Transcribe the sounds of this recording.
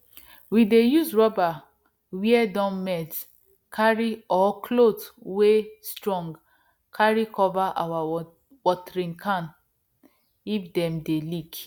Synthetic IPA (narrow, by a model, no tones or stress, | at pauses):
widejuzɹɔba | wiɛdɔ̃nmɛt | kʰaɹiɔkʰlotwestɹɔ̃ŋɡ | kʰaɹikɔvaʔa̰wa | wɔtɹĩnkʰãn | ifdɛ̃mdelik